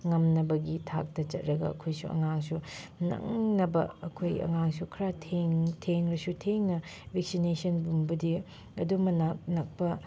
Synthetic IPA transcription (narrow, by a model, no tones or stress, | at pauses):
ŋɐmnɐbɐɡitʰa̰k̚tɐt͡ʃɐt̚ɾɐɡɐ̰ɐ̰kʰojsuɐ̰ŋaŋsunɐ̰ŋnɐbɐ̰ɐkʰojɐ̰ŋaŋsukʰɾatʰeŋtʰeŋɾɐsutʰeŋnɐbek̚sinesɐnbumbɐdi | ɐdumɐnak̚nɐk̚pɐ